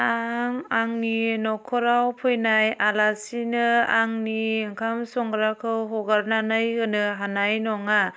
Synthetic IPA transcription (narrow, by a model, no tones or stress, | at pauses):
aŋaŋninɔkʰɔɾawpʰɔjnajalasinɯaŋniŋkʰamsɔŋɡɾakʰɯwɦɔɡaɾnanɯjɡɯnɯɦanajnɔŋa